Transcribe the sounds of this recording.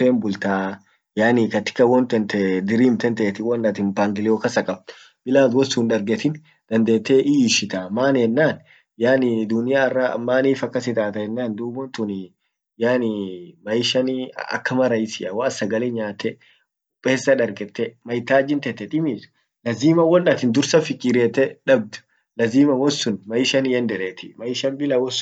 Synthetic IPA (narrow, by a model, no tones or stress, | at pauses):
eːmbʊlt̪aː | jaːnikɐt̪ɪ̥kːɐwɔnt̪ɛnt̪ɛd̪ɪɾiːmt̪ɛnt̪ɛʔːt̪ɪwɐnːɐt̪ɪmbaːŋɡɪlɪjokɐsɐkʼɐb̪̚ | b̥ɪlaːt̪wɔsunᶑɐɾɡɛt̪ɪn | d̪̥ɐnd̪eːt̪ːeːʔɪːʃɪt̪amaːnɛnːaːn | jaːnɪd̪ʊnɪjaːɐrːa̰mːaːniːfɐkːɐs̬ɪt̪aːt̪ɐjɛnːaːnd̪uːbɔnt̪ʊnɪ | jaːnɪmɐjɪʃɐnɐ̰kːɐmɐɾɐjɪsɪʔɐwaːsɐɡɐleɲaːt̪ːɛ | ʊpʼːe̞ːsːɐᶑɐɾɡɛt̪ːɛmɐjt̪aːd͡ʒɪnt̪ɛt̪ːɛᶑ̪ʼɪmiːs | lɐziːmɐwɔnːɐt̪ɪnd̪ʊɾsɐfɪkʼːiɾeːt̪ːɛᶑɐb̚d̪ʊ̥ | lɐziːmɐwɔsːʊnmɐjɪʃɐnjɛnd̪ɛɾeːt̪ɪmɐjɪʃɐnbɪlɐwɔsʊ